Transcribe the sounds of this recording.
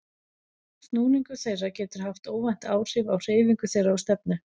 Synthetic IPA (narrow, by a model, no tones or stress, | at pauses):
st̪nuːniŋkʏθeːjracɛːt̪ʏɾ̥haft̪oːwvajn̥t̪aːwr̥ɪvawr̥eːjviŋkʏθeːjɾaawst̪ɛp̚nʏ